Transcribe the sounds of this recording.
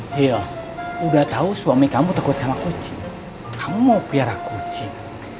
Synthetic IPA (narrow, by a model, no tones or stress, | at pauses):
siɔudaht̪ausuamikamut̪akuat̪̚samakut͡ʃi | kamumopiaɾakut͡ʃiŋ